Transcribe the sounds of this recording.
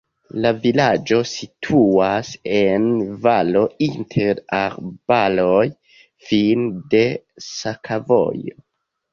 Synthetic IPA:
lavilad͡ʒo̞sitʰuase̞nvalo̞intʰe̞ɾaɾb̥alo̞j | finde̞sakʰavo̰jo

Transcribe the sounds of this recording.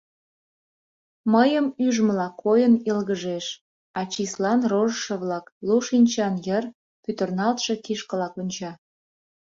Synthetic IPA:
məjəmyʒmlɑkʰojənilɣəʒeʃ | ɑt͡ɕislɑnroʒəʃə̆βlɑkluʃinʲt͡ɕɑnjər | pyt̪ərnɑlt̪ʃe̽kiʃkə̆lɑkunʲt͡ɕɑ

